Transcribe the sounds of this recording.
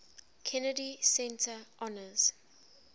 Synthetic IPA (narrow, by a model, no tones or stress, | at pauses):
kʰɛnədisɛ̃ntʰəʔɔnəz̥